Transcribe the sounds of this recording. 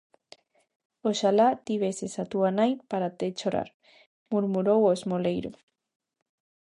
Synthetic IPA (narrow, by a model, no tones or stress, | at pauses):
oʃalat̪iβesesat̪uanajpaɾat̪et͡ʃoɾa̰ɾ | muɾmuɾowosmolejɾṵ